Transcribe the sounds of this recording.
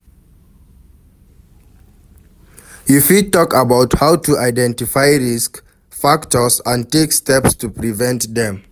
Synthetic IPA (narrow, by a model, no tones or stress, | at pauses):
ifitɔkəbaʊthawtʰuʔaɪdɛ̃ntifajɹisk | faktɔsãntekstɛpstʰupɹivɛ̃ntðɛ̃m